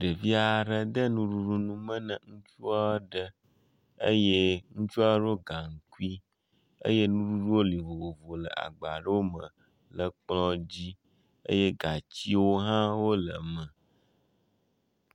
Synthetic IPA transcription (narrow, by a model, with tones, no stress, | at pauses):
ɖə˨vi˦a˨ɖə˨d̪ə˦nũ˦ɖu˦ɖu˦nũ˦mə̃˦nə̰̃˨ŋũ˦t͡ʃu˦a˦ɖə˦ | ə̰˦je˦ŋũ˦t͡ʃu˦a˦ɖo˦ɡa˨ŋ̩˨ku˦i˦ | ə̰˦je˦nũ˦ɖu˦ɖu˦wo˦li˨vo˨wo˨vo˨lə̰˨ʔa̰˨ɡ͡ba˨ɖə˦wo˦mə̃˨ | lə˨k͡plɔ˦d͡ʑi˦ | ə̰˦je˦ɡa˨t͡ɕi˦wo˦ɦã˦wo˦lə˨mə̃˨